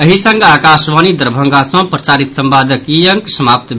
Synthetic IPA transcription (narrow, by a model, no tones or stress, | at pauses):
əɦisə̃ŋɡaːkasʋanid̪əɾbʱə̃ŋɡasə̃pɾət͡ʃaɾit̪sə̃mpad̪ʱəkijəŋksəmap̚t̪bʱ